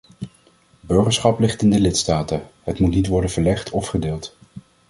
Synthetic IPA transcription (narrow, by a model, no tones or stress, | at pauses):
bɵɹχəɹsχɑplɪχtɪndəlɪtstaːtəɦətmutnitʋɔɹdənv̥əɹlɛχtʰɔfχədɪːlˠt